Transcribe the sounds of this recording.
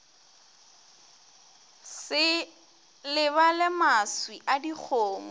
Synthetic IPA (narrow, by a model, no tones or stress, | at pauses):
sɪ | lɪβalɪmaswiʔadik͡xʰoːmɔ